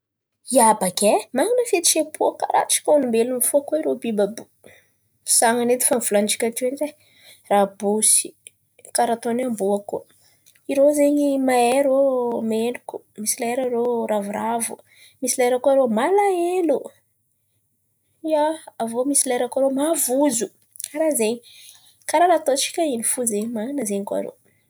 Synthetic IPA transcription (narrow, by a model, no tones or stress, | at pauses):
iabakʲemaŋinəfet̪i̥ʃepʰuaka̰ɾʔa̰ʈ͡ʂi̥kʲonimbelunifuakoiɾobibabu̥ | saŋaned̪i̥famifuland͡ʒi̥kʲat̪inze | rabusi̥ | kaɾat̪onambuaku | iɾozeɲimaeɾomeluku̥ | misilaeɾaɾoɾavuɾavu | misilaeɾakuaɾomalaelu | iaavomisilaeɾakaɾomavuzu | kaɾazeɲi | kaɾaɾat̪ot͡ʃi̥kʲainifuzeɲimaanəzeɲika̰ɾo̰